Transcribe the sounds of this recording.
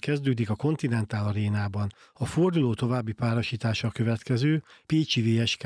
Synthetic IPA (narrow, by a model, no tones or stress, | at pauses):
kɛzd̪øːd̪ikɒko̞nt̪inɛnt̪aːlɒɾeːnaːbɒn | ɒfo̞rd̪uloːt̪o̞vaːbːipaːɾo̞ʃiːt̪aːʃɒkø̞vɛt̪kɛzøːpeːt͡ʃiveːɛʃk